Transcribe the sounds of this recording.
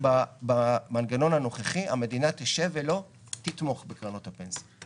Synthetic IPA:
babamanɡano̞nano̞χeχiʔa̰me̞dinat̪eʃevelo̞ | t̪it̪mo̞χbekʁanothapensi

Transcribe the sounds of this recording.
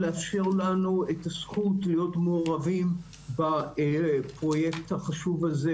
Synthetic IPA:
leafʃiʁlanuetasχutlijo̞tmeoʁavim | ba | pʁo̞je̞kthaχaʃuvaze

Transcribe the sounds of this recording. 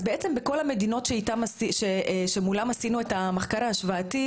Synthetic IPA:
beet͡sembeko̞lamedino̞tʃeit̪amasiʃeʃe̞mulamasinue̞tameχkaʁaːʃvaati

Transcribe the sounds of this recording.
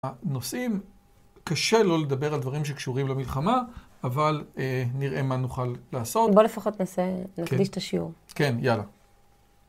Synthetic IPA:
anosʔim | kaʃe̞lo̞le̞d̪abe̞ʁald̪vaʁimʃ̬e̞kʃuʁimlemilχamaː | valeniʁʔe̞manuχalːaːso̞tbo̞le̞faχot̪nasenakɡdiʃt̪aʃiṵʁke̞njala̰

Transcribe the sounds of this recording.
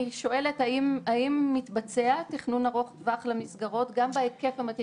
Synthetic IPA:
iʃo̞e̞le̞thaimaimːitbat͡se̞atiχnunaʁo̞χtvaχlamisɡaʁo̞tɡambeeke̞fhamati

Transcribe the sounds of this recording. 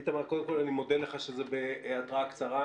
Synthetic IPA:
t̪amaʁko̞d̪emko̞lanimo̞d̪eleχaʃezebeat̪ʁakt͡saʁa

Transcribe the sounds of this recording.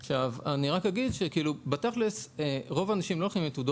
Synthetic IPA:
ʃavaniʁakaɡid̪ʃekiilubet̪aχleseʁo̞vaːnaʃimlo̞laχimjetudo

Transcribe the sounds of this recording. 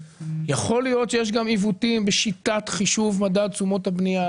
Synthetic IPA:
jaχo̞lijo̞t̪ʃejeʃ̬ɡamivutimbeʃitatχiʃuvmadad̚t͡sumo̞thabnia

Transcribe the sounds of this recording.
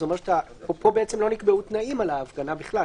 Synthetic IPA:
zomeʃḁt̪a | popo̞beet͡semlo̞nikbeut̪naimalaːfɡanabiχla

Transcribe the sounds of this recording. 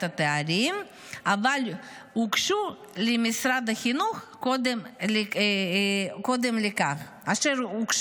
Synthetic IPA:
t̪at̪eaɾim | aval | hukʃu | lemisɾad̪aχinuχkod̪eml | kod̪emlekaχ | aʃeɾukʃ

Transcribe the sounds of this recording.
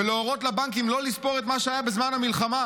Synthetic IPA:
veleoʁo̞t̪labaŋkimlo̞lispo̞ʁet̪maʃeajabezmanhamilχama

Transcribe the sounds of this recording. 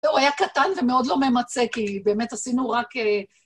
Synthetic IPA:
ewajakat̪anvemeo̞dlo̞me̞mat͡se̞kibe̞ːme̞t̪asinuʁake

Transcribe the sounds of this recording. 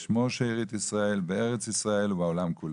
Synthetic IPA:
ʃmoʃeiʁit̪isʁaelbeeʁet͡sisʁaelubaolamkʰul

